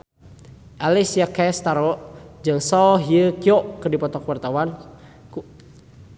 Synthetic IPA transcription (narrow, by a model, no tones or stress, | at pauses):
ʔalisiakɛst̪aɾɔd͡ʒɨŋsɔɦiəkiɔərdipɔt̪ɔkwart̪awan